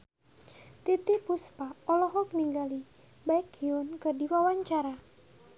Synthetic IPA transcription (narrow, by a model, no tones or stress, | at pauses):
t̪it̪ipuspaɔlɔɦɔkəniŋɡali | baɪk̚iʊnkɨrdiwawaɲt͡ʃaɾa